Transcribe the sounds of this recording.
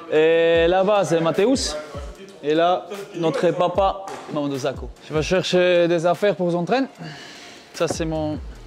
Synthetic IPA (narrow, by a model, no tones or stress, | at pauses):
elabas̬ɛmat̪eus | elanɔt̪χəpapamamãd̪ozakoʒ̥əvaʃɛʁʃed̪ezafɛʁpuʁzɑ̃t̪χɛn | sasɛmɔ̃